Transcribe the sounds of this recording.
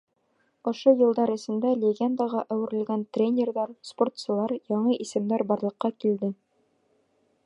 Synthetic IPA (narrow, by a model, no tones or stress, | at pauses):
ŏʃojɤ̆lˠd̪ɑɾɘ̆sɘ̆nd̪ælʲeɡʲend̪əʁɑʔæwɘ̆ɾɘ̆lɡænt̪rʲenʲerðɑɾsport̪sɤ̆lˠɑɾjɒɴɤʔisɘ̆md̪æɾbɒɾlˠɤ̆qːɑkild̪ɘ